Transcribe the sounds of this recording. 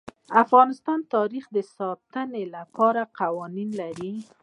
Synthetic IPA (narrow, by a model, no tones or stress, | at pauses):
afɣɑnɪst̪ɑnt̪ɑɾixd̪əsɑt̪ənelapɑɾaqawɑninlaɾi